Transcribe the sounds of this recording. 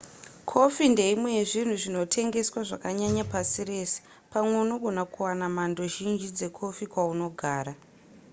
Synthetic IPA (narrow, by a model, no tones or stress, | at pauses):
kʰo̞finde̞imwe̞jeʐin̤uʐino̞tʰe̞ŋɡe̞swaʐakaɲaɲapasire̞ːse̥ | pamwe̞uno̞ɡʱo̞nakuwanamando̞ʒind͡ʒid͡ze̞kʰo̞fikwauno̞ɡʱaːɾa